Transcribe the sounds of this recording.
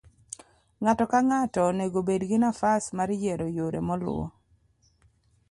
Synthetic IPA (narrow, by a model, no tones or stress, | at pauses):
ŋatɔkaŋatɔneɡobedɡɪnafasmaɾjeɾojoɾemɔlʊ̰ɔ̰